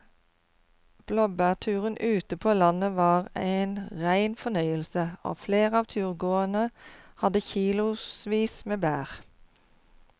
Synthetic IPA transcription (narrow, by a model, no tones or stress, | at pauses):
b̥lɔbæːʁt̪ʰʉːʁənʔʉːt̪əpʰoːlɑnəʋɑːʁæɪnʁæɪnfɔnœʏəlsəo̰ːfleːʁɑːʋt̪ʰʉːʁɡoːənəhɑd̪əçiːlʊsʋiːsmeːbæːʁ